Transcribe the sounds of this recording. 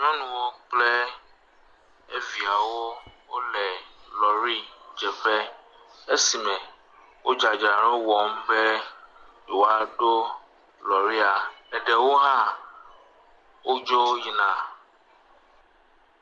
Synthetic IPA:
ɲɔ̃˦nũ˨wo˦k͡plɛ˦ | e˦vi˨a˨wo˦wo˦lɛ˨lɔ˨ɾi˦d͡ʒɛ˨ɸɛ˦ | e˦si˨mɛ̃˨ | wo˦d͡ʒa˨d͡ʒa˨ɾɔ˦wɔ˨m̩˦be˦˨ | wo˦a˨ɖo˦ | lɔ˨ɾi˦a˨ɛ˨ɖɛ˨wo˦ɦã˦ | wo˦d͡ʒo˦ji˨nã˦˨

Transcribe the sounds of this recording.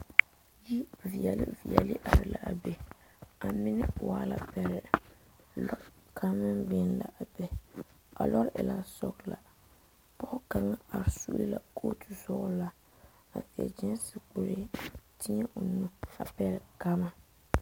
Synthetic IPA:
ji˦vi˨ɛ˨lḭ˦vi˨ɛ̰˨li˦ʔa˨ɾɨ˨la˨ʔa˨bɛ˨a˨mɪ˦nɪ˦waː˦la˨pɛ˦ɾɪ˨ | lɔ˦ | kʰa˦mɨ˦nbɛ˦n˦la̰˨ʔa˨bɛ˦ | a̰˨lɔ˦ɾʔɪ˨la˦sɔ˨kla˨ | pɔ˦ʔka˨ŋa˦a˨ɾsu˦li˦la̰˨kʰoː˦tu˨sɔ˦ʔʊ˦la˦ | a˨fi˨ɛ̰˨d͡ʒɛ˦nsi˨k͡pu˨ɾe˦ti˦ɲɛ˦ʔo˨nu˦a˨pɛ˦ɾɪ˨ka˦ma˦

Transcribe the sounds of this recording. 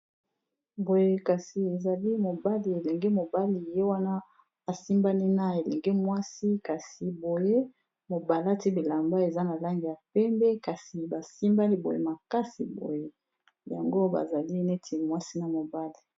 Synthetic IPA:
bo˨je˦ka˨si˨e˨za˨li˦mo˨ba˦li˨e˨lɛ˨ŋɡɛ˦mo˨ba˦li˨je˦wa˦na˦ | a˨si˦mba˦ni˦na˦e˨lɛ˨ŋɡɛ˦mwa˦si˦ka˨si˨bo˨je˦ | mo˨ba˨la˦ti˦bi˨la˨mba˦e˨za˦na˨la˦ŋɡi˨ja˨pɛ˦mbɛ˦ka˨si˨ba˨si˦mba˦li˦bo˨jḛ˦ma˨ka˦si˨bo̰˨je˦ | ja̰˨ŋɡo˦ba̰˨za˨li˦ne˦tʰi˨mwa˦si˦na˨mo˨ba˦li˨

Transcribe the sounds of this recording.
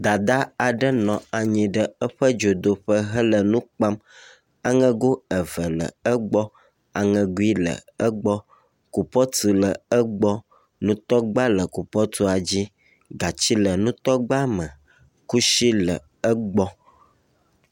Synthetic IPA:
d̪a˨d̪a˦a˨ɖə˦nɔ̃˨a˨ɲĩ˨ɖə˦ə˦ɸə˦d͡ʒo˨d̪o˨ɸə˦ɦə˦lə˨nũ˦k͡pa˦m | a˨ŋə̃˦ɡo˦ə˨və˨lə̰˨ə˦ɡ͡bɔ˦ | a˨ŋə̃˨ɡu˦i˦lə̰˨ə˦ɡ͡bɔ˦ | ku˨pɔ˦t̪i˨lə˨ə˦ɡ͡bɔ˦ | nũ˦t̪ɔ˦ɡ͡ba˦lə˨ku˨pɔ˦t̪u˦a˨d͡ʑi˦ | ɡa˨t͡ɕi˦lə˨nũ˦t̪ɔ˦ɡ͡ba˦mə̃˨ | ku˦ʃi˦lə˨ | ə˦ɡ͡bɔ˦

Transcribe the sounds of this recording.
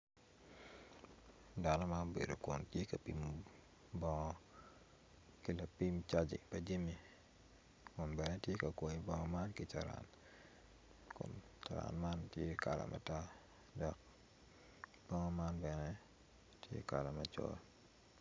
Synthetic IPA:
da˨nɔ˦ma˦nbḛ˨do˨kʊ˨ntje˦kɐ˨pi˨m | bɔ˦ŋɔ˦ | ki˨la˨pi˦mt͡ʃa˦d͡ʒḭ˨pɐdi˦mi˨ | kʊ˨nbɛ˨nɛ˦tje˦ka˨kwɔ˨i˨bɔ˦ŋɔ˦ma˦nki˨t͡ʃa˨ɾa̰˨n | kʊ̰˨nt͡ʃa˨ɾa̰˨nma˦ntje˦ka̰˨la̰˨mʔa̰˨ta˦ | dɔ˨k̚ | b̥ɔ˦ŋɔ˦ma˦nbɛ˨nɛ˦ | tjḛ˦ka˨la˨mat͡ʃɔ̰˦l

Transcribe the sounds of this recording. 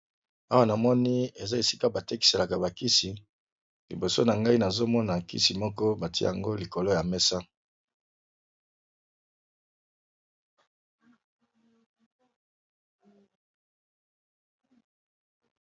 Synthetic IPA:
a˦wa˦na˨mɔ˦ni˦e˨za˦e˨si˦ka˦ba˨te˦ki̥˨se˨la˨ka˨ba˨ki˦si˨ | lḭ˨bo˨so̰˦na˨ŋɡa˦i˦na˨zo˦mɔ˦na˨kḭ˦si˨mɔ˦kɔ˦ba˨tḭ˦ja˨ŋɡo˦li˨ko˨lo˦ja˨me˦sa˦

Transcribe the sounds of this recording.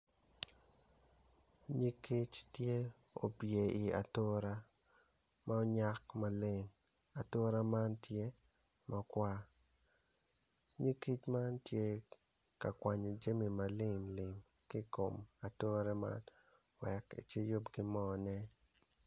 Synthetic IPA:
ɲi˦ki˦t͡ʃtje˦ | o̰˨pje˨i˨a̰˨to˦ɾa˦ | ma˦ɔ˦ɲa˦kma˨le˦ŋ | a˨to˦ɾa˦ma˦ntje˦ | ma˦kwa˦ | ɲi˦ki˦t͡ʃma˦ntje˦ | ka˨kwa˨ɲo˨d͡ʒe˦mi˨ma˨lɪ˦ŋlɪ˨m | ki˦ko˨ma˨to˦ɾɛ˦ma̰˦n | wɛ˨kḭ˨t͡ʃe˦jo˦pɡɪ˦mɔ˦nɛ˦

